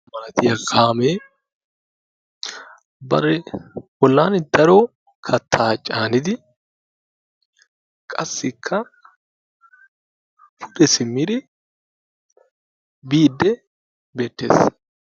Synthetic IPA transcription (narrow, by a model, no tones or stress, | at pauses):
mɐnɐt̪ɪjɐkʰaːmeː | bɐɾɛwɔlːaːnd̪̥ɐɾoː | kʰɐt̪ʰːaːt͡ʃʼaːnɪd̪ɪ | kʼɐsːɪkʰːɐ | fʊᶑɛsɪmːɪd̪ɪ | biːd̪ːɛ | be̞ːt̪ːe̞̰ːs